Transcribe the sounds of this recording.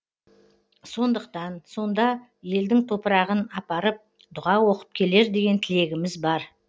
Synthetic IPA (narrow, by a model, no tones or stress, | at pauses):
so̞nd̪əq̚t̪ɑnso̞nd̪ɑ | je̞ld̪ɪŋt̪ʰo̞pəɾɑʁənɑpɑɾəp̚ | d̪ʊʁɑwo̞qə̥p̚kʲʰe̞le̞ɾd̪e̞ɡʲe̞nt̪ʰɪle̞ɡʲɪmɪzbɑɾ